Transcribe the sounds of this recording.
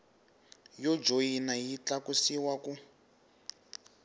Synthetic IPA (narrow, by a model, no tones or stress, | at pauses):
jɔd͡ʒojinajit͡ɬakusiwaku